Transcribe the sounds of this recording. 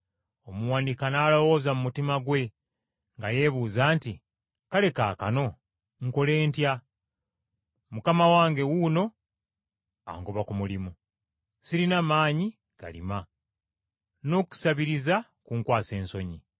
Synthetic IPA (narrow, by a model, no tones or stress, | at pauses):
omuwaːndikanaːlo̞wo̞ːzamumutimaɡwe̞ | ŋɡaje̞βuːzaːnti | kale̞kaka̰no̞ | ŋ̩ko̞le̞ːntja | mukamawaːŋɡe̞wuno̞ | a̰ŋɡoβakumulimu | siɾinamaːɲi | ɡ̥a̰lḭma | no̞ːku̥saβiɾiza | kuŋkwaːse̞ːnso̞ɲi